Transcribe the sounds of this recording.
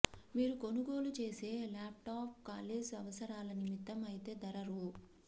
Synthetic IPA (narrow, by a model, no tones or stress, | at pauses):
miːɾuko̞nuɡo̞ːlut͡ʃe̞ːse̞ːlaːp̚ʈaːp̚kaːleːd͡ʒɐʋɐsɐɾaːlɐnimit̪ːɐmɐjit̪e̞ːd̪ɐɾɐɾu